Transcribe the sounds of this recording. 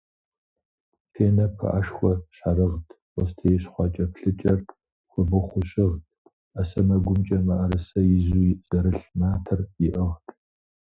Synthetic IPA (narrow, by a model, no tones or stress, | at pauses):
fʰeːnɐpʰɐ̰ʔaʂxʷɔɕarɨʁtʰ | wʷɔstʰɐjɛɕχʷɑt͡ʃʼɐpɬɨt͡ʃʼɐr | xʷɔbɨχʷʊɕʼɪʁtʰʼ | ɐsɐmɐɡʷʊmt͡ʃʼɐmɐʔɐɾɨsɐjɪzuz̥ɐɾɨɬmaːtʰɐrjɪʔəʁtʰʼ